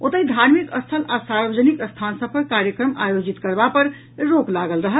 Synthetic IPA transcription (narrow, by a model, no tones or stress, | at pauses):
ot̪əid̪ʱaɾmikəst̪ʰəlasaɾbəd͡ʒənikəst̪ʰansəb̚kəkaɾjəkɾəmajod͡ʒit̪kəɾbapəɾ | ɾoklaɡəlɾəɦəl